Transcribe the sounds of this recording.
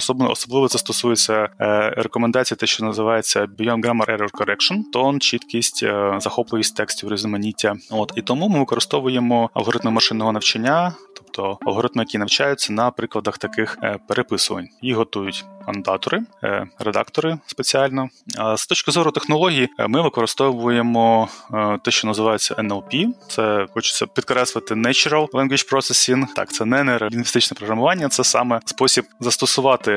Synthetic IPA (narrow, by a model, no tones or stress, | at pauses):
ɔsɔbnɔ̰sɔblˠɪʋɔt̪sɛst̪ɔsujet͡sʲːɐɾekɔmend̪ɑt͡sʲijɐt̪ɛʃt͡ʃɔnɐzɪʋɑjet͡sʲːɐbʲijɔnɡɾamɐɾʔɛɾɔrkɔɾɛkʃɔnt̪ɔnt͡ʃit̪kʲisʲtʲzɐxɔplˠɪʋʲisʲtʲt̪ɛksʲtʲiwɾezʲʊmɐnʲitʲːɐot̪it̪ɔmumɪʋɪkɔɾɨst̪ɔʋʊjemɔɐ̰lˠɦɔɾɪt̪mɪmɐʃɪnːɔɦɔnɐwt͡ʃɐnʲːat̪ɔpt̪ʰɔɐ̰lɦɔɾɪt̪mɪjɐkʲinɐwt͡ʃajʊt͡sʲːɐnɐpɾɪklˠɐd̪ɐxt̪ɐkɪxpeɾepɪsʊʋɐ̰nʲjiɦɔt̪ujʊtʲɐnd̪ɑt̪ɔɾɪɾed̪ɑ̰kt̪ɔɾɪspet͡sʲiɑlʲnɔɐst̪ɔt͡ʃkɪzɔɾʊt̪exnɔlˠɔɦʲijimɪʋɪkɔɾɨst̪ɔʋʊjemɔ | t̪ɛʃt͡ʃɔnɐzɪʋɑjʊt͡sʲːɐʔɛnɛlˠpʲit̪sɛxɔt͡ʃʊ̥t͡sʲːɐpʲid̪̚kɾɛslˠɪt̪ɪnɛt͡ʃɾɐlˠlˠɛnɡʲit͡ʃpɾɔsesʲint̪ɑ̰kt̪sɛnɛnɛɾinʋʲist̪ɪt͡ʃnɛpɾɔɦɾɐmʊʋɑnʲːɐt̪sɛsɑ̰mɛspɔsʲib̚zɐst̪ɔsʊʋɑt̪ɪ